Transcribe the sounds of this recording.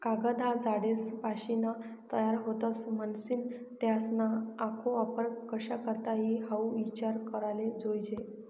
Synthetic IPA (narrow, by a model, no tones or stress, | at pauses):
kaɡəd̪ʱad͡zaɽesbaɕina | t̪əjaɾɦot̪ət͡smənsiːnt̪jasnaːkʰoapəɾkːəɕakəɾt̪aɦiɦauʋit͡ɕaɾkəɾaled͡zojd͡ʑe